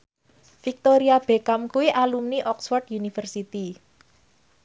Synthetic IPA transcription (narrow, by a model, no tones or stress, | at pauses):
fik̚t̪oɾiab̥ekamkuwiʔalumniʔɔksfɔrd̪junifərsit̪i